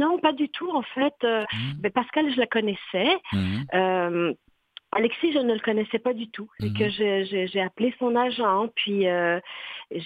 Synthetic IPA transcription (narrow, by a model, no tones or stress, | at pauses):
nɔ̃pad̪yt̪ʰuɑ̃fɛt̪øbɛpaʁskalʒəlakɔnɛsɛ | øm | alɛksiʒənələkɔnɛsɛpad̪yt̪ʰusekəʒeʒeʒeaplesɔ̃naʒɑ̃pɥiø | ʒ